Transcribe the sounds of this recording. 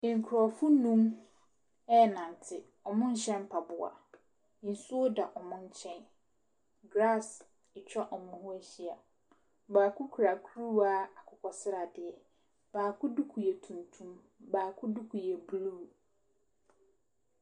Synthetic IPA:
ɪ̃˨ŋ̩˨kʰʊ˨ɾɔ˨fʊ˦nũ˦m | ɛ˦˨nã˨n˨tʰɪ˨ | ɔ˨mʊ̃˦n̩˦ɕɛ̃˦n˦pʰa˨bʊ˨a̰˨ | i˨n˨sʊ˦o˦da˨ʔɔ˨mʊ̃˦n̩˦t͡ɕʰɛ̃˦n | ɡɾa˦˨s | ɪ˨t͡ɕᶣɔ˦ʔɔ˨mʊ̃˦hʊ˦æ˦ɕi˦a˨ | baː˨kʰʊ˦kʰu˨ɾa˨kʰu˦ɾu˦a˦a˨kʰʊ˨kʰɔ˨sɪ˦ɾa˨dɪ˨ɛ˨ | b̥aː˨kʰʊ˦du˦kʰu˨jɛ˨tʰũ˨ntʰũ˦m | baː˨kʰʊ˦du˦kʰu˨jɛ˨bluː˦˨

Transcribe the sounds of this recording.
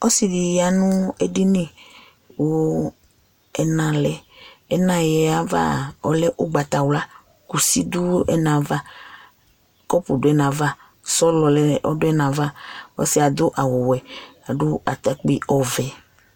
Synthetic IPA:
ɔ˦si˨di˨ja˨nũ˦e˦di˦nĩ˦ | wo˨˦ | ɛ˨nã˨lɛ˨ɛ˦nã˨jɛ˨a˦va̰˦ɔ˨lɛ˦ʔu˦ɡ͡ba˨t̪a˨wla˦ | ku˨si˦d̪u˦ɛ̰˦nã˨va˦ | kɔ˦pu˨dʊ˦ɛ˨˦nã˨va˦ | sɔ˦lɔ˨lɛ˨ʔɔ˦dʊ˦ɛ˦nã˨va˦ɔ̰˦si˦a˨d̪o˦ʔa˨wo˨wɛ˨a˨ɖo˦a̰˨t̪a˨k͡pi˦ɔ˨vɛ˨

